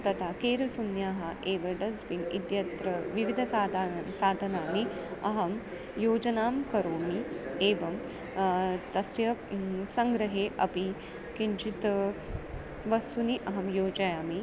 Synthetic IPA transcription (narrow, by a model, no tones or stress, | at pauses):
t̪ɐt̪ʰakeːɾɐsunjaːɦɐʔeːʋɐɖɐzbinid̪jɐt̪ɾɐʋiʋid̪ʱɐsasaːd̪ʱɐnaːmiɐɦɐm | joːd͡ʒɐnaːmkɐɾoːmieːʋɐm | t̪ɐsjɐsɐŋɡɾɐɦeːʔɐpi | kiɲt͡ʃit̪ | ʋɐst̪uniʔɐɦɐmjoːd͡ʒɐjaːmi